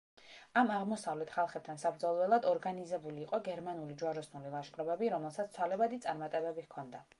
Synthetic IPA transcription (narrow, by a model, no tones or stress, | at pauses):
amaʁmɔsavlɛt̪χalˠχɛp̚t̪ʰansabɾd̪zɔlˠɔɛlˠad̪ɔɾɡanizɛbuliːqʼɔɡɛɾmanulid͡ʒuaɾɔsnulilˠaʃkʼɾɔbɛbiɾɔmɛlˠsat̪st̪ʰwalɛbad̪it̪sʼaɾmat̪ʼɛbɛbihkʰɔnd̪a